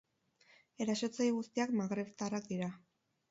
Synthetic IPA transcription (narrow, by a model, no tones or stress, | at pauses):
e̞ɾaso̞t͡sajɣust̪iakmaɣɾe̞βt̪arak̚d̪iɾa